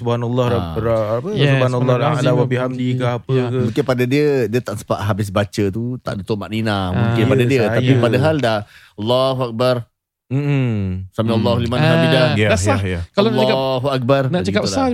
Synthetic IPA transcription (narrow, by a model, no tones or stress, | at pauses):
subhanalːɑɾaapəsuhanlːɔlawabiɦamdikahapəmũŋkɪnpadədiədiət̪aʔsə̥paʔɦabɪs̬bat͡ʃət̪ut̪a̰ʔdut̪ʊʔmaʔninamũŋkɪnpadadiəaipadaɦaldah | alːaɦuak̚bar | m̩ | sambialːaɦulimasambid͡ʒaaasajakalaɦuak̚barnat͡ʃəkap̚a